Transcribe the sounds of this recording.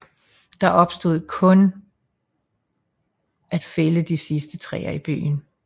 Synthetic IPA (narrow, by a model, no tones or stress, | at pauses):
d̥ɑ̈ʔɒ̽b̥sd̥o̝ð̰ˠkʰɔ̽n | ʔæd̥feləd̥isisd̥ət͡sʰʁɛ̰ːɐib̥y̰ːn